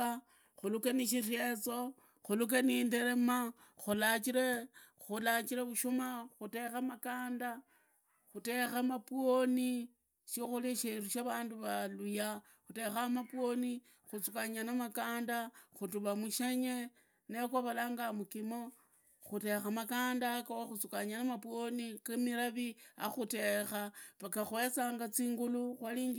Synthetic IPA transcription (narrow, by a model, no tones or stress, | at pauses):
a | xulukeniʃ̬irjet͡so̞ | xuluk̬eniːndeɾema | xulat͡ʃiɾexulat͡ʃiɾeβuʃumaxute̞xemakaːnda | xute̞xamapwoni | ʃixuliʃeruʃaβaːnduβaluja | xute̞xamapwo̞ni | xut͡sukaɲanamakaːndaxutuβamuʃeɲe̞ | nekwaβalaːŋɡamukimo̞ | xute̞xamakaːndakawaxut͡sukaɲanamapwonikemiɾaβia̰xute̞xapakaxwe̞t͡saːŋɡat͡siːŋɡuluxwaliːŋɡ